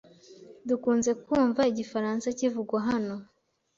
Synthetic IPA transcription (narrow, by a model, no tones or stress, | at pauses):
dukuːnze̞kuːɱvaiɟifaɾaːnsacivuɡwaɦano̞